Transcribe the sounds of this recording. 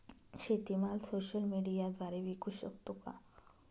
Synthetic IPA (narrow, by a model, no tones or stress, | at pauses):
ɕet̪imalsoɕəlmiɽijad̪ʋaɾeʋikʰuɕə̰kt̪oka̰